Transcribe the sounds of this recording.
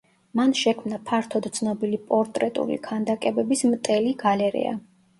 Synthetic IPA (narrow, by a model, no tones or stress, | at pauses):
manʃɛkʰmnapʰaɾt̪ʰɔd̪t̪sʰnɔbilipʼɔɾt̪ʼɾɛt̪ʼṵlḭkʰand̪akʼɛbɛbismt̪ʼɛliɡalɛɾɛ̰a̰